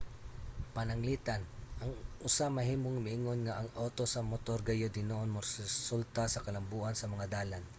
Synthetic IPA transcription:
pɐnɐŋliːt̪ɐnʔɐŋʔʊsamɐɦiːmoŋmɪʔɪŋo̞nŋɐʔɐŋʔoːt̪o̞sɐmot̪o̞ɾɡɐjod̪ɪnoʔnmɐɾssult̪ɐsɐkɐlɐmbuːʔɐnsɐmɐŋad̪aːlan

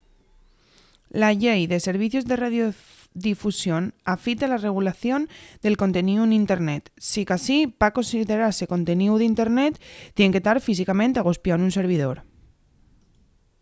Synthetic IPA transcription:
laʎejðe̞seɾβ̞iθjozðe̞raðjo | ðifusjonafit̪ealareɣ̞ulaθjo̞nd̪e̞lko̞nt̪eniuenint̪eɾnet̪sikasibako̞nsiðeɾaɾseko̞nt̪eniuðint̪eɾnet̪ːjeŋket̪aɾfis̬ikamẽnt̪eaɣospjanunseɾβ̞ið̞oɾ

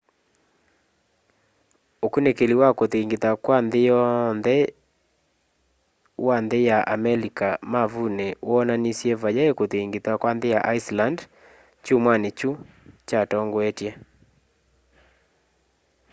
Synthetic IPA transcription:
okunekeliwakot̪eiŋɡit̪akwand̪ɪjɔnd̪ɛ | wand̪ɪjaʔamɛlikamavunewɔnanisjevad͡ʒaekot̪eiŋɡit̪akwand̪ɪjaʔaisland | t͡ʃumwanet͡ʃu | t͡ʃatɔŋɡwetje

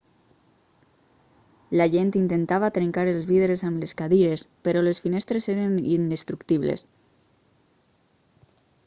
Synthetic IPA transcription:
laʒent̪int̪ent̪aβat̪ɾeŋkaɾelzβiðeɾesamleskaðiɾespeɾolesfinest̪ɾeseɾanind̪est̪ɾukt̪iβlḛs

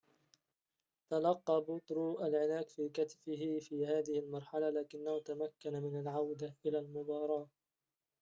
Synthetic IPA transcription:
t̪alɑqːɑːbʊt̪ɾuʔalʕɪlaːkfiːkat̪fɪɦɪfiːhaːðɪhɪlmɑɾˤħalalaːkɪnːahʊt̪amakːanamɪnalʕawd̪aʔɪlaːlmʊbɑːɾˤɑːʔ

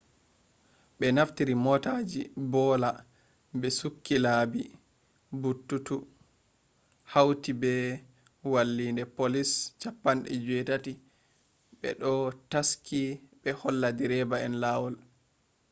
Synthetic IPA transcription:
ɓɛnaftiɾimɔtaːd͡ʒibɔːla | bɛsukːilabi | butːutu | hawtibɛ | walːindɛpolist͡ʃapːanɗɛ̰d͡ʒuɛtati | ɓɛ̰ɗɔtaskʰiɓɛhɔlːadiɾɛbaɛnlawɔl

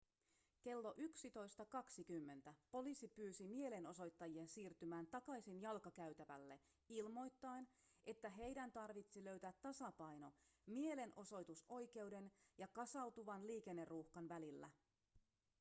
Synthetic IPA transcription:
ke̞lːo̞ʔyksit̪o̞jst̪ɑkɑksikymːe̞nt̪æpo̞lisipyːsimie̞le̞no̞so̞jt̪ːɑjie̞nsiːrt̪ymæːnt̪ɑkɑjsinjɑlkɑkæyt̪æʋæ̰lːe̞ | ilmo̞jt̪ːɑenʔe̞t̪ːæɦe̞jdænt̪ɑrʋit̪silø̞ɥt̪æːt̪ːɑsɑpɑjno̞mie̞le̞nʔo̞so̞jt̪usʔo̞jk̟e̞ude̞njɑkɑsɑwt̪uʋɑnliːk̟e̞nːe̞rːuhkɑnʋælilːæ̰

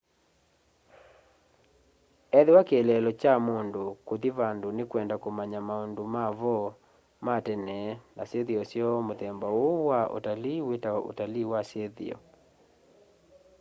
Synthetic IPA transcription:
ɛðewakːlɛlɔt͡ʃamondokoðiβandonekwɛndakomaɲamaondomaβɔ | matɛnɛnaseðiɔsjɔmoðɛmbawowaʔo̰taliwetaɔʔo̰taliwaseðḭɔ̰

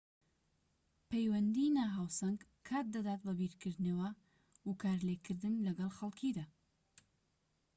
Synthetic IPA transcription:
pʰejwɐnd̪inaːɦaːwsɐŋɡ | kʰːaːt̪̚d̪ɐd̪aːt̪̚bɐbiɾkʰɨɾd̪newa | ukaːɾlekʰɨɾd̪ɨnlɐɡɐlˠxɐlˠkʰid̪aː

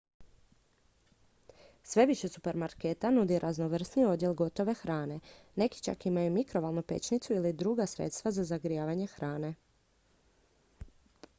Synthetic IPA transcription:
sʋe̞ʋiʃesupe̞ɾmaɾket̪anud̪iɾʔazno̞ʋr̩snio̞d̪jelɡo̞t̪o̞ʋe̞xɾaːne̞ne̞ki̥t͡ʃa̰kimajumikɾo̞ʋalˠnupe̞̰t͡ʃnit̪suilid̪ɾuɡasɾḛt̪st̪ʋazazaɡɾijaːʋaɲe̞xɾaːne̞

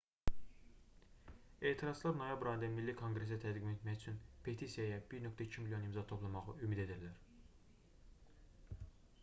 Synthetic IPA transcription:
e̞ːt̪ʰiɾɑzlˠɑɾno̞jɑbɾɑjind̪æmilːikʰoŋɡɾes̬æt̪ʰæd̪ɡime̞t̪mæçyt͡ʃʰynpʰe̞t̪ʰisijɑjæbiɾnø̞kt̪ʰæicʰimiljo̞nimzɑt̪ʰo̞pʰlˠɑmɑʁɯymid̪e̞d̪iɾlæɾ

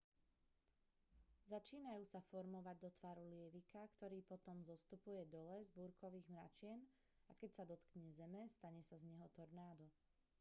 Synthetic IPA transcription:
zat͡ʃiːnajuːsafɔɾmɔʋaɟ̚d̪ɔt̪ʋaːɾulɪɛʋikakt̪ɔɾiːpɔt̪ɔmzɔst̪upujɛd̪ɔlɛzbuːɾkɔʋiːɣmɾa̰t͡ʃɪɛn | akɛcsad̪ɔt̪kɲɛzɛmɛst̪aɲɛsazɲɛɦɔt̪ɔɾnaːd̪ɔ

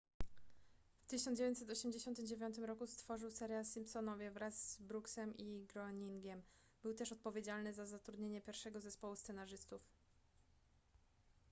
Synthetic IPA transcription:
ft̪ɘɕɔnd͡ʑevʲjɲt̪sɛt̪ɔɕɛmd͡ʑeɕɔnt̪ɘmd͡ʑevʲjɔnt̪ɘmɾɔkust̪fɔʐɘwsɛɾjalsimpsɔnɔvʲjɛvɾazːbɾuksɛmʔiɡɾɔɲiŋɡʲɛm | bɘwt̪ɛʂɔt̪̚pɔvʲjed͡ʑalnɘzazat̪ɾud̪ɲeɲɛpʲjɛɾfʂɛɡɔzɛspɔwust̪sɛnaʐɘst̪uf

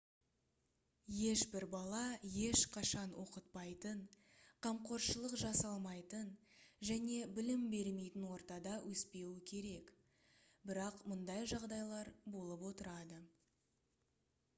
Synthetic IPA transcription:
je̞ʃbɪɾbɑlˠɑje̞ʃqʰɑʃɑnwʔo̞qət̪̚pɑjt̪ən | qʰɑmqo̞ɾʃəlˠəqʒɑsɑlˠmɑjt̪ənʒæne̞bɪlɪmbe̞ɾme̞jt̪ɪnwo̞ɾt̪ɑd̪ɑwʔɵspe̞wɪkʲʰe̞ɾe̞k | bɪɾɑqmʊnd̪ɑjʒɑʁd̪ɑjlˠɑɾbo̞lˠəpwo̞t̪əɾɑd̪ə

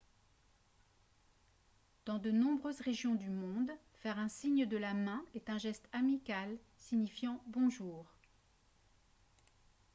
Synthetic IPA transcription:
d̪̥ɑ̃d̪ənɔ̃bʁøzʁeʒjɔ̃d̪ymɔ̃d̪ | fɛʁɛ̃siɲd̪əlamɛ̃ɛt̪ɛ̃ʒɛst̪amikʲal | siɲifjɑ̃bɔ̃ʒuːʁ

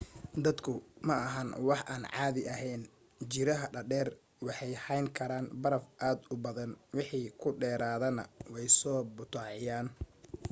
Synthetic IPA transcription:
d̪ɐd̪kʰʊmɐɐɦɐnwɑħʔaːnʕɑːðɪʔɐɦɛjn | t͡ʃɪɾɐɦɐɖɐɖɛːr | wɑħɑjhɐjŋkʰɐɾaːnbɐɾɐfʔaːd̪ʊbɐðɐnwɪħiːkʰʊɖɛːɾaːðɐnɐ̰wɛjsɔːbʊt̪ʰaːʕɪjaːn

